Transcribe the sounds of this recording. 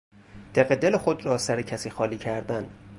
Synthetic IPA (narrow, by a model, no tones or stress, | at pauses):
d̪̥eɣed̪e̞lexod̪rɒːsæɾecʰæsiːxɒːliːcʰæɾd̪æn